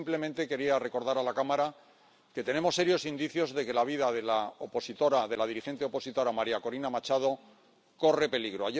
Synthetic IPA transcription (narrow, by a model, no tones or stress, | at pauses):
mple̞mẽnt̪e̞ke̞ɾiare̞ko̞ɾð̞aɾalakamaɾa | ke̞t̪e̞ne̞mo̞sːe̞ɾjo̞sind̪iθjo̞zðe̞ke̞laβ̞iðaðe̞laopo̞sit̪o̞ɾaðe̞lað̞iɾixe̞nt̪e̞o̞po̞sit̪o̞ɾamaɾiako̞ɾinamat͡ʃað̞o̞ | ko̞re̞pe̞liɣɾo̞aje